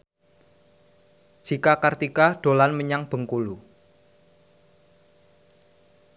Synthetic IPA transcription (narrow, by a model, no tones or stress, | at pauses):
d͡ʒ̥ikakart̪ikaɖ̥o̤lanməɲaŋb̥ə̤ŋkulu